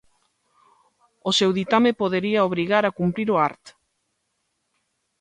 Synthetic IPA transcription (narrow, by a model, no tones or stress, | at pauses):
osewðit̪amepoðeɾiaoβ̞ɾiɣaɾakumpɾiɾoaɾt̪